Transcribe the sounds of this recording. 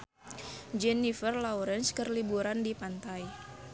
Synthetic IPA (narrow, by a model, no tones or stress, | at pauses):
d͡ʒɛnifərlawɾɛnskərlibuɾandipant̪aj